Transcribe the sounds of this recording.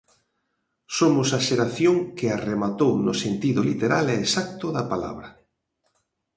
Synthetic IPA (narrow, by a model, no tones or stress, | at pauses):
somʊsaʃeɾaθjoŋkɪaremat̪ownʊsent̪iðʊlit̪eɾalɛːsak̚t̪ʊðɐpala̰βɾɐ